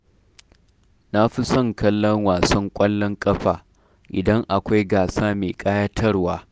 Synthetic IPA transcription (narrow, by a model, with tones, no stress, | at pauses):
na˦ɸi˦sɔ˦˨ŋkɐ˦lːɔ˦ŋwaː˨sɐ˦ŋkʷʼɐ˦lːɔ˦ŋkʼɐ˦ɸaː˨ | ʔɪ̰˨dɐ˦ŋʔa˨kʷa˦jɡaː˨saː˦meː˨kʼaː˦jaː˦tʰɐ˦rwaː˦